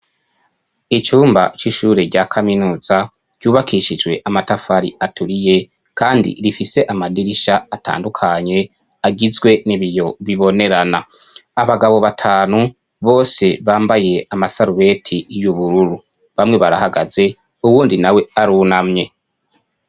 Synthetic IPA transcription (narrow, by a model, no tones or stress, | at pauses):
it͡ʃuːmba̰t͡ʃiʃuːɾe̞ɾɟakʰaminuːz̥a | ɟ̥uːβakʰiʃid͡ʒwe̞ʔamatafaɾḭʔatuɾije̞ | kaːndḭɾifise̞ʔamadiɾiʃaːta̰ːndukʰaɲe̞ | aɡizɡwe̞niβijo̞βiβo̞ne̞ɾanaː | βaɡaβo̞βatʰaːnu | βo̞ːse̞βaːmbaje̞amasaɾuβe̞tʰijuβuɾuɾu | βamŋe̞βaɾahaɡaze̞ | uβuːndinawe̞aɾunamɲe̞